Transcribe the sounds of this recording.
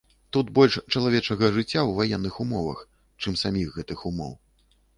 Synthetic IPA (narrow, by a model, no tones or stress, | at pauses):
t̪ut̪bɔlʲʂt͡ʂɐlˠavʲɛt͡ʂɐɣɐʐɨt͡sʲːawvajɛnːɨxumɔvɐ̰x | t͡ʂɨmsamʲiɣɣɛt̪ɨxumɔ̰w